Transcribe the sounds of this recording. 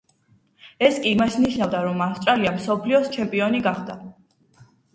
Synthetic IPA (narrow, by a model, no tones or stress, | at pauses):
ɛskʼiːmasniʃnavd̪aɾɔmafst̪ʼɾaliamsɔpʰliɔst͡ʃʰɛmpʼiɔniɡaχd̪a